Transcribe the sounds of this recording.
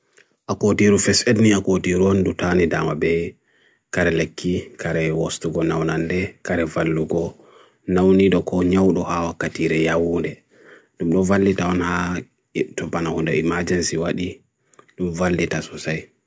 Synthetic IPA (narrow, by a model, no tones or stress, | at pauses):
ʔakotiɾufɛsedniakotiɾuɔndutanida̰mabɛ | kaɾɛlekʰːikaɾɛwostuɡɔnawnandɛkaɾɛvalːuɡɔ | nawniɗɔkɔɲawɗɔhawakːatiɾɛjawuːndɛ | ɗumɗɔvalːitaɔnha | jɛtɔbanahundɔ̰imad͡ʒɛnsiwaɗi | ɗumvalːitasɔsaj